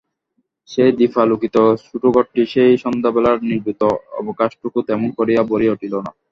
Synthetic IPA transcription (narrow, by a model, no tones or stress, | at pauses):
ʃejd̪ifʰalukit̪oʃuʈuɡoʈːiʃejʃɔnd̪abɛlaɾniɾbit̪oɔ̰bokaʃʈukut̪ɛmonkoɾijaboɾioʈʰilona̰